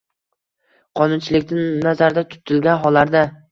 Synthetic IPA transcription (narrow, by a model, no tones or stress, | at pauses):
qʰɒnʊnt͡ʃʰɪlɪkʲnɪnnazaɾd̪at̪ʰʊ̥t̪ʰɪlɡʲanɦɒlːaɾd̪a